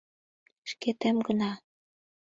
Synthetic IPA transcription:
ʃket̪emɡənɑ

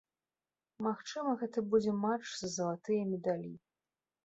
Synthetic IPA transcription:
maxt͡ʂɨmɐɣɛt̪ɐbud͡zʲɛmat͡ʂzɐzɐlˠat̪ɨjɐmʲɛd̪alʲi

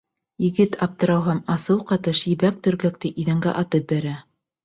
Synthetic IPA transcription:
jɘ̆ɡɘt̪ʰɑp̚t̪ɤ̆ɾɑwɦɑmɑsɤwqɑt̪ɤʃjɘ̆βæk̚t̪ɵ̆ɾɡæk̚t̪ɘʔiðæŋɡæ̰ʔɑt̪ɤp̚bæɾæ

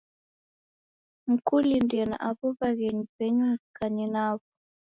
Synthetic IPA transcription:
ŋ̩kulindɛna̰ʔaβɔβaɣɛɲipɛɲukaɲinaβɔ

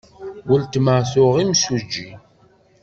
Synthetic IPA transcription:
wəlt̪məʕθʊʁimsud͡ʒːi

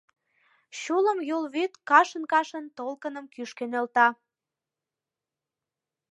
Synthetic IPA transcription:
ɕulə̆mjolβet̪kɑʃənkɑʃə̆nt̪olkə̆nəmkyʃkenelt̪ɑ

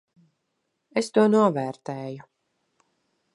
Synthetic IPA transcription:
est̪uɔnuɔvæːɾt̪ɛːju

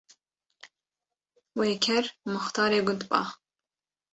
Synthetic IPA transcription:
weːkʲʰɛɾmʊxt̪ɑːɾeːɡʊnd̪bɑ̰ː

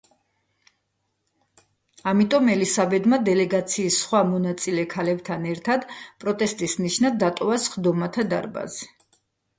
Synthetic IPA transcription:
amit̪ʼɔmɛlisabɛd̪mad̪ɛlɛɡat̪sʰiːsχwamɔnat̪sʼilɛkʰalɛbt̪ʰanɛɾt̪ʰad̪pʼɾɔt̪ʼɛst̪ʼisniʃnad̪ːat̪ʼɔvasχd̪ɔmat̪ʰad̪a̰ɾba̰zɛ

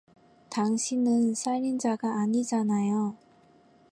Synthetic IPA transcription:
taŋɕʰinɯnsʰaɾind͡ʑaɡaːɲid͡ʑanajo

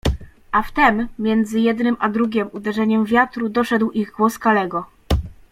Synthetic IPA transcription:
ʔaft̪ɛmːʲjɛnd̪zɘjɛd̪nɘmʔad̪ɾuɡʲɛmud̪ɛʐɛɲɛmvʲjat̪ɾud̪ɔʂɛd̪wʔiɣɡwɔskalɛɡɔ

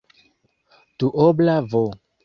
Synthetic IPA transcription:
tuʔoblavo

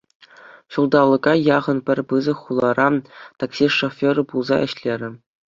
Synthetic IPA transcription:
ɕulˠd̪ɑlˠːɤ̆ɡɑjɑʁɤ̆npʲɘ̆rʲpɯzɤ̆χulˠɑɾʔɑt̪ɑksʲiʂofʲoɾɤ̆pulˠzɑʔɘ̆ɕlʲeɾʲɘ̆

